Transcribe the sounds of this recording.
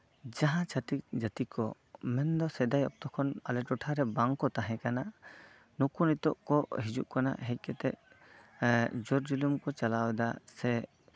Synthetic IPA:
d͡ʒaɦãt͡ʃʰət̪ik̚d͡ʒət̪ikɔ | mɛnd̪ɔsɛd̪ajɔ̰k̚t̪ɔkʰɔnalɛʈɔʈʰaɾɛbaŋkɔt̪aɦɛ̃kana | nukunit̪ɔʔkɔɦid͡ʒṵʔkana̰ʔɦɛc̚ˀkɛt̪ɛʔ | d͡ʒɔɾd͡ʒilumkɔt͡ʃalawɛd̪asɛ

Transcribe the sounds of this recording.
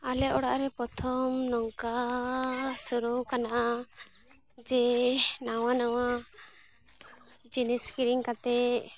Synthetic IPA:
alɛʔɔɽa̰ʔɾɛpɾɔt̪ʰɔmnɔŋka | suɾukanaʔa | d͡ʒɛnawanawa | d͡ʒiniskiɽiŋkat̪ɛ

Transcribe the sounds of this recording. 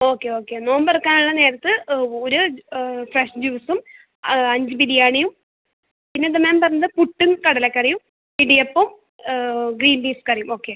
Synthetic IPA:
o̞ːkːeo̞ːkːe̞no̞ːmbɐrkːaːnuɭːɐne̞ːɾɐt̪ːɨoɾufreʂd͡ʑuːsum | ɐɲd͡ʑɨpiɽijaːɳijum | pinːet̪̬ɐmːeːmpɐrɐɲːɐðɨpuʈːumkɐɽɐlekʲːɐrijum | piɽijɐpːom | ɡriːnbiːskɐrijumo̞ːkːe

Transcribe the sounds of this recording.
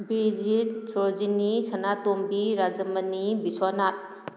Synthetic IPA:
bɾid͡ʒit̚sʰod͡ʒinisanatombiɾad͡ʒəmənibiswanat̚

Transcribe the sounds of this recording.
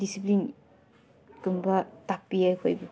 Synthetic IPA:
disip̬lin | kɯmbatapːiakʰɔjbɯ

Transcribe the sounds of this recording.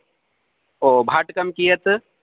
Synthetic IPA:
oːbʱaʈkəmkijət̪

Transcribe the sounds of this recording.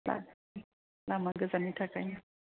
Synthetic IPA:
la̰ | lamaɡəzanitʰakaɲa

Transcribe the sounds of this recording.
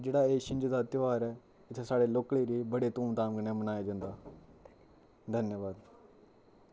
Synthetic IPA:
d͡ʒeːɽaːeːʃɪ̃ɲd͡ʒd̪aːt̪ɪʋaːɾɛː | ɪt̪ʰesaːɽeːloːkleːɾiːbəɽeːt̪ũːmd̪aːmkənẽmənaːjad͡ʒãːnd̪aː | d̪ʱənjəʋaːd̪

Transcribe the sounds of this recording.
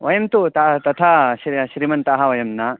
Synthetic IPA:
ʋɐjɐmt̪ut̪ɐt̪ɐt̪ʰɐɕɾɕɾimɐnt̪aɦɐʋɐjɐmnɐ

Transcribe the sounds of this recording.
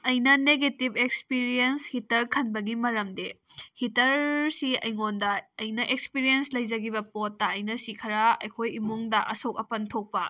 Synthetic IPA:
ɐjnɐneɡetibekspiɾienshitɐɾkʰɐnbɐɡimɐɾɐmde | hitɐɾsiɐ̰jŋondɐɐjnɐʔekspiɾienslɐjd͡ʒɐɡibɐpotːɐːjnɐsikʰɐɾɐɐ̰jkʰojimuŋdɐʔɐ̰sok̚ɐpɐntʰok̚pɐ

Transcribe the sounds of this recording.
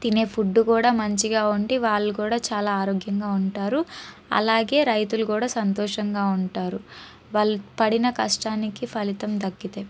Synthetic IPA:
t̪ine̞ːpʰuɖːukuːɽaːmɐɲt͡ʃiɡaːuɳɖiʋaːɭːukuːɽaːt͡ʃaːlaːɾoːɡjɐŋɡaːuɳʈaːɾu | ɐ̰laːɡe̞ːɾɐjt̪ulukuːɽaːsɐnt̪ɔːʂɐŋɡaːuɳʈaːɾu | ʋɐɭpɐɽinɐkɐʂʈaːnikipʰɐlit̪ɐmd̪ɐkːit̪eː

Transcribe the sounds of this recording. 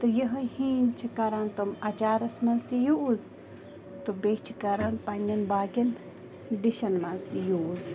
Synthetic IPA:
t̪ɨjɐɦɨhĩːnt͡ʃʰikɐɾant̪omɐt͡ʃaːɾɐsmɐnzt̪ijuʔːz | t̪obet͡ʃʰikɐɾɐnpɐnʲɐnbaːkʲin | d̪iʃɐnmɐzt̪ijuz

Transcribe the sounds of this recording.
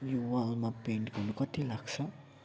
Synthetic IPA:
juwalmapinkunukɔt̪ilaksa

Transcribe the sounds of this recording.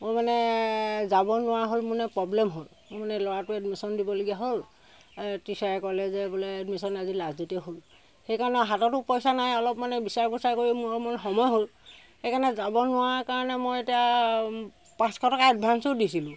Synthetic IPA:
mojmanɛzabɔnʊwaɦolmʊnɛpɹɔblɛmɦolmʊmanɛlɔɹatʊɛdmisɔndibɔloɡijaɦol | tisajɛkɔlɛzɛbɔlɛɛdmisɔnazilazditiɛɦol | xejkaɹɔnɛɦatɔtʊpɔjsanajɔlɔpmanɛbisaɹkusaɹkoɹimuɔmɔnxɔmɔjɦol | xejkanɛzabɔnʊwaɹkaɹɔnɛmojetia | pãskɔtɔkaad̚bʱansʊdisilʊ̃

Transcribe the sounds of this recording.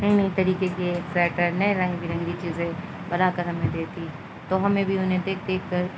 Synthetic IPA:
nɐɦĩnɐɦĩt̪ɐɾiːkekeksɛːʈəɾnɐẽɾɐ̃ŋɡbʱiɾɐ̃ŋɡit͡ʃiːzẽ | bɐlakɐɾɦɐmẽd̪eːt̪i | t̪oːɦɐmẽbʱiʊnɦẽd̪eːkd̪eːkʰːɐɾ

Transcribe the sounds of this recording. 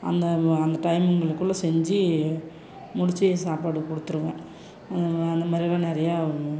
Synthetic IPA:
ɐ̰nd̪ɐɐnd̪ɐʈɐɪmɯŋɡɐɭɯkːɯɭːɐsɛɲd͡ʒɯ | mʊɽɪt͡ʃːɯsaːpaːɽɯkɔɽɯt̪ːɯɾɯʋẽː | ɐɐnd̪ɐmaːd̪ɾɪlaːnɛɾɐjaː

